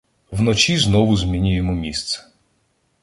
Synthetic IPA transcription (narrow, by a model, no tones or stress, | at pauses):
wnɔt͡ʃʲiznɔʋʊzmʲinʲʊjemɔmʲist̪sɛ̥